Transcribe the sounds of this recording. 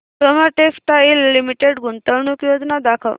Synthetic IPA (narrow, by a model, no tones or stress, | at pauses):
pɾəməʈekt̪ailːimiʈeɽɡunt̪əʋɳukjod͡znad̪akʰə̰